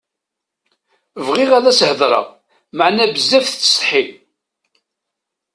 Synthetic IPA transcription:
vʁɪʁæðæshəðˤɾˤɑ̰ʁ | maʕnæbəzːæfθθə̥sˤħil

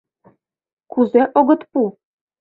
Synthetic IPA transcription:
kuzeʔoɣɤ̆t̪pu

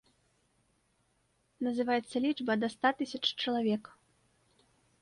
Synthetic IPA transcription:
nɐzɨvajɛt̪sːɐlʲit͡ʂbɐd̪ɐst̪at̪ɨsʲɐt͡ʂt͡ʂɐlˠavʲɛk

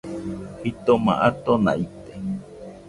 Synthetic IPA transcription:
hit̪omã̰ʔat̪onã̰ʔit̪e

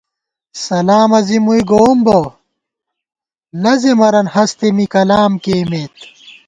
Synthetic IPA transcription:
sɐlaːmɐzimuiɡoːmbo | lɐzemɐɾɐnhɐst̪emikɐlaːmkeːmeːt̪̚

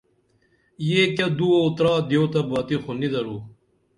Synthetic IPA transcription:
jeːkɐd̪uout̪ɾaːd̪joːt̪ɐbaːt̪ixonid̪ɐɾuː

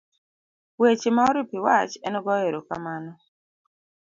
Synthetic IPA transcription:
wet͡ʃemaɔɾipɪwat͡ʃɛnɔɡɔeɾoka̰manɔ

